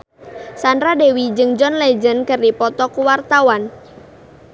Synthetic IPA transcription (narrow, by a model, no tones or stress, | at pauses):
sandɾadewid͡ʒɨŋd͡ʒɔnlɛd͡ʒənkɨrdipɔt̪ɔkuwart̪awan